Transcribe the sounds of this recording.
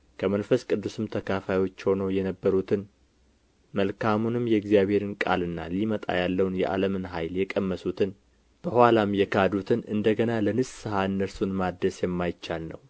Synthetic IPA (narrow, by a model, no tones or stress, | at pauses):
kʰəmənfəskʼɨd̪ːusɨmt̪ʰəkʰafajwo̞t͡ʃːho̞nojɛnəbːəɾut̪ʰɨn | məlkʰamunɨmːjɛɨɡzijaβhe̞ɾɨnkʼa̰lɨnːa̰limət̪ʼa̰jalːəwnjɛ̰ʔa̰ləmɨnɦajljɛkʼəmːəsut̪ʰɨn | b̥əhalamjɛkʰad̪ut̪ʰɨnʔɨnd̪əɡənalənɨsːɨhaɨnːəɾsunmad̪ːəsjɛmːajt͡ʃːalnə̰w